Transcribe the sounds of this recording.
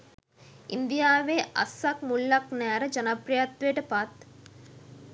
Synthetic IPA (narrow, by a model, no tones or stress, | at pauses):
ind̪ijaːʋeːɐ̰sɐk̚mulːɐknɛːɾɐd͡ʒɐnɐpɾɐjɐt̪ʋeːʈɐpat̪